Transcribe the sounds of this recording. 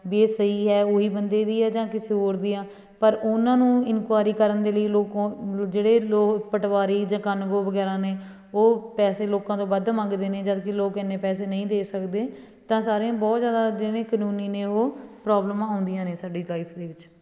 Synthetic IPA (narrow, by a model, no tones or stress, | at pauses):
beːsəiːɦɛːoːɦiːbənd̪eːd̪iːɦɛːd͡ʒãːkɪseːɦoːɾd̪iːãː | pəɾʊnãːnũːɪnkwaːɾiːkəɾənd̪eːləiːloːkõd͡ʒeːɽeːloːkpəʈʋaːɾiːd͡ʒãːkənɡoːʋəɡɛːɾãːneː | oːpɛːseːloːkãːt̪õːbəd̪mə̃ŋɡd̪eːneːd͡ʒəd̪kɪloːkɛnːẽːpɛːs̬eːnəĩːd̪eːsəkd̪eː | t̪ãːsaːɾeãːbɔːt̪zjaːd̪aːd͡ʒɪnẽːkənũːniːnẽːoːpɾɔːbləmãːõːnd̪ɪjãːneːsaːɖiːlaːiːpʰd̪eːʋɪt͡ʃ